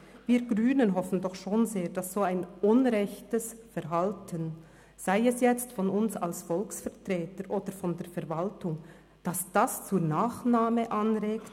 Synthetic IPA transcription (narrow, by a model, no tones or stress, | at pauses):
viːɡʁyːnənɦɔfən̩dɔχʃoːnzeːɐd̥asz̥oːaɪnʔʊnʁɛçtəsfɛʁɦaltʰən | z̥aɪɛsjɛt͡stfɔnʊnsa̰lsfɔlksfɛʁtr̥ɛːtəɾʔoːd̥əɾfɔndeːfɛɾvaltʊŋ | d̥asd̥ast͡suːnaːχnaːməʔanʁeːkt